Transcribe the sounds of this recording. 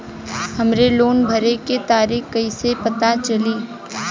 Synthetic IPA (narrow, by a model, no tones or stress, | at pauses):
hɐmɾeloːnbʱəɾeket̪aːɾiːkkɐisepɐt̪at͡ʃɐliː